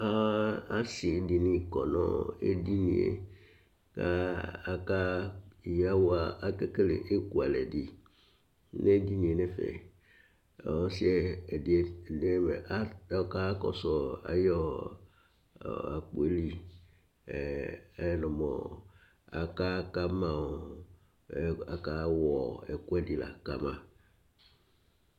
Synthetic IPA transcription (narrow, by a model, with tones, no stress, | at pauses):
a˦a˦si˨˦di˨nĩ˦kɔ˨nɔ̰˦˨ḛ˦di˦nĩ˨ḛ˨ | ka˦˨ka˦˨ja˦wa˨a˨ke˦ke˦lḛ˨ʔe˦ku˦˨a˨lɛ˨di˨ | ne˦di˦nĩ˨e˨ne˦fḛ˨ | ɔ˦si˦e˦˨di˨˦e˦˨ne˦mḛ˨a˦ka˦kɔ̰˨sɔ˨a̰˨jɔ˦˨ | a˨k͡po˨e˦li˦˨˦ | nɔ̃˨mɔ̰˨ | a̰˨ka˦ka˦mã˨o˨ | a˨ka˦wɔ˨ɛ˨ku˦ɛ˦di˨la̰˨ka˨mã˨